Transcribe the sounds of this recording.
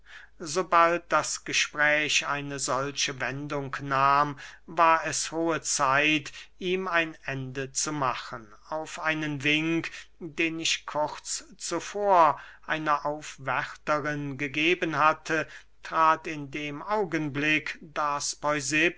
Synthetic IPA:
zobalt̚d̥asɡ̥əʃpʁ̥ɛːʃa̰ɪnəzɔlʃəvɛndʊŋknaːmvaːɐɛshoːət͡saɪtʔiːmaɪnʔɛndət͡sumaχən | aʊfʔaɪnənvɪŋkd̥eːnɪʃkʰʊʁt͡st͡sufoːɐʔaɪnɐʔaʊfv̥ɛʁtəʁɪnɡəɡeːbənhatʰə | tʁ̥aːtɪndeːmʔaʊɡənblɪkd̥aspɔʏzɪp

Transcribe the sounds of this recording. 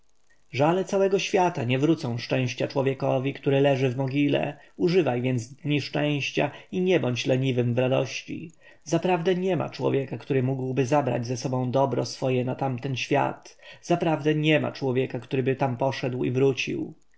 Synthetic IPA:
ʐalɛt̪sawɛɡɔɕfʲjat̪aɲɛvɾut̪sɔ̃w̃ʂt͡ʂɛ̃w̃ɕt͡ɕat͡ʂwɔvʲjɛkɔvʲikt̪uɾɘlɛʐɘvmɔɡʲilɛ̰ | uʐɘvajvʲjɛnd̪zd̪ɲiʂt͡ʂɛ̃w̃ɕt͡ɕa̰iɲɛbɔɲt͡ɕlɛɲivɘmvɾad̪ɔ̰ɕt͡ɕḭ | zapɾavd̪ɛɲɛma̰t͡ʂwɔ̰vʲjɛkakt̪uɾɘmuɡwbɘzabɾa̰d͡ʑzɛsɔbɔ̃w̃d̪ɔbɾɔsfɔjɛnat̪amt̪ɛnɕfʲja̰t̪z̥apɾavd̪ɛɲɛma̰t͡ʂwɔvʲjɛkakt̪uɾɘbɘt̪ampɔʂɛd̪wḭvɾut͡ɕḭw

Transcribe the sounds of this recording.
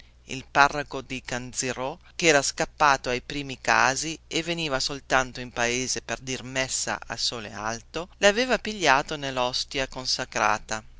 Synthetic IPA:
ḭlparːakod̪ikand̪ziɾo | kɛːɾaskapːaːt̪oajpɾiːmika̰ːzievːeniːvasolt̪ant̪oimpaeːzeperd̪irmɛsːa̰ʔa̰soːlḛa̰lt̪oleaveːvapiʎːaːt̪onelːɔst̪jakonsakɾa̰ːt̪a

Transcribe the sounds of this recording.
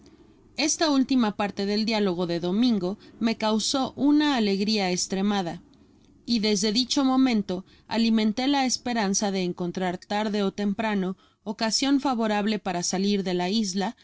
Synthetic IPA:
e̞st̪ault̪imapaɾt̪e̞ðe̞ld̪jalo̞ɣ̞o̞ðe̞ðo̞mĩŋɡo̞me̞kawso̞ʔunaːle̞ɣɾiaest̪ɾe̞mað̞a | iðe̞zðe̞ðit͡ʃo̞mõ̞mẽ̞nt̪o̞ | a̰limẽ̞nt̪e̞laespe̞ɾansaðe̞ːŋko̞nt̪ɾaɾt̪aɾðe̞o̞t̪e̞mpɾano̞ː | kasjo̞ɱfaβo̞ɾaβ̞le̞paɾasaliɾðe̞laizla

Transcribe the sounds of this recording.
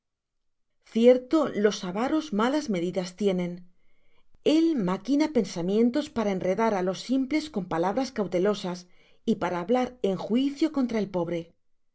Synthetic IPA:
θje̞ɾt̪o̞lo̞saβaɾo̞zmalazme̞ðiðast̪je̞nẽ̞n | e̞lmakinape̞nsamjẽ̞nt̪o̞spaɾae̞nre̞ðaɾalo̞sːimple̞sko̞mpalaβ̞ɾaskawt̪e̞lo̞sas | ipaɾaːβlaɾe̞ŋxwiθjo̞ko̞nt̪ɾae̞lpo̞βɾe̞

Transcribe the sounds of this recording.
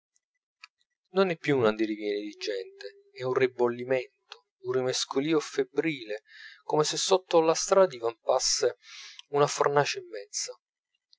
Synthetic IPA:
nonɛpːjuːnand̪ilivjɛned̪id͡ʒɛnt̪e | ɛunribolːimɛnt̪o | urrimeskʰoliːofebɾiːlekomesesːot̪ːolast̪ɾaːd̪ivampasːeunafornaːt͡ʃeimːɛnsa

